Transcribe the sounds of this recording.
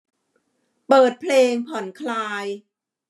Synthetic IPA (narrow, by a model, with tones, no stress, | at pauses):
pɤː˨˩t̪̚pʰleː˧ŋpʰɔ˩˦nkʰlaː˧j